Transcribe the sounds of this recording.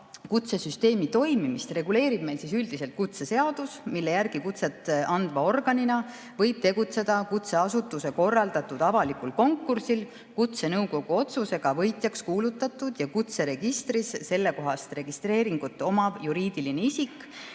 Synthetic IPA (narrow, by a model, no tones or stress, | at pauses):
kut̪se̞syst̪e̞ːmit̪o̞jmimist̪re̞ɡule̞ːɾib̥̚me̞jlsisyld̪ise̞lt̪̚kut̪se̞se̞ɑd̪̥usmilːe̞jærɡ̥ikut̪se̞t̪ːˑɑnd̪̥vɑo̞rɡ̥ɑninɑ | vɤ̞jb̥̚t̪e̞ɡ̥ut̪se̞d̪̥ɑkut̪se̞ɑsut̪ːˑuse̞ko̞rːɑld̪̥ɑt̪ːud̪̥ɑvɑlikulko̞ŋkːˑursil | kut̪se̞nɤwko̞ɡ̥uo̞t̪suse̞ɡ̥ɑvɤjt̪ˑjɑkskuːlut̪ːˑɑt̪ːˑud̪̥jɑkut̪se̞ɾe̞ɡ̥ist̪ɾisse̞lːe̞ko̞ɦɑst̪re̞ɡ̥ist̪re̞ːɾiŋɡ̥ut̪ːˑo̞mɑjuɾiːd̪̥ilineisikːˑ